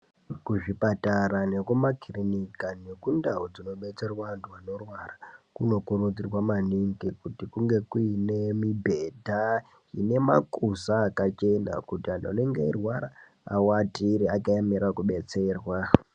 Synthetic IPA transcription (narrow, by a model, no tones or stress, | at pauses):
kuʐipataɾane̞kumakirinikane̞kundaɦod͡zino̞ɓe̞t͡se̞rwantuano̞rwarakuno̞kuɾud͡zirwamaniŋkikutikuŋɡe̞kuinemibʱe̞dʱa | ine̞ma̰kusaːkat͡ʃe̞na̰kutiandaaneŋɡeirwaɾa | a̰watiɾiakajamiɾakuɓe̞t͡se̞ːrwa